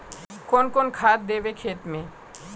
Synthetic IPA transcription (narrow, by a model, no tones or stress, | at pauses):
konkonkʰat̪̚d̪ebekʰet̪me